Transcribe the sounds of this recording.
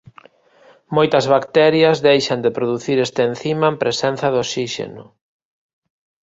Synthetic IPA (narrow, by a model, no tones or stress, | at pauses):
mojt̪ɐzβakt̪ɛɾjɐzðejʃɐnd̪epɾoðuθiɾest̪een̟θimɐempɾesɛn̟θɐðosiʃḛnʊ